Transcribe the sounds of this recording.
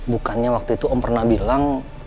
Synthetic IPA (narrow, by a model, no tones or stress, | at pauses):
bukanɲawak̚t̪uit̪uʔɔmpərnahbilaŋ